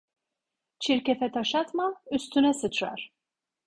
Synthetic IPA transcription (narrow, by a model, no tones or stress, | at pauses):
t͡ʃʰiɾkʲɛfɛt̪ʰɑʃat̪mayst̪ʰynɛsɯt͡ʃʰɾa̰ɾ̥